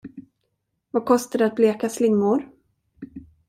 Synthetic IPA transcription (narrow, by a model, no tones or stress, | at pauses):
vakʰɔst̪aɖɛat̪̚bleːkaslɪŋmʊɾ